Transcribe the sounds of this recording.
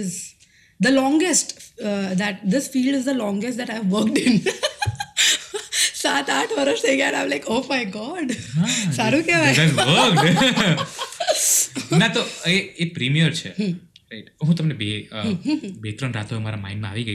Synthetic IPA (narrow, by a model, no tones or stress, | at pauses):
ɪz | d̪əlɔ̃ŋɡesʈd̪æʈ̚d̪ɪsfiːlɖɪzd̪əlɔ̃ːŋɡesʈ̚d̪æʈaɪʋʋəɾkʈɪ̃n | sat̪aʈʰʋəɾəʃt̪ʰejɡaɛ̃nãɪ̃mlaɪkoːmaɪɡɔːɖɦasaɾukeʋajɛʋək | nat̪oeepɾimijəɾt͡ʃʰḛh | ɾaɪʈɦũt̪əmnebe | bet̪ɾənɾa̰t̪ʰomaɾama̰ɪ̃nmãa̰ʋiɡəi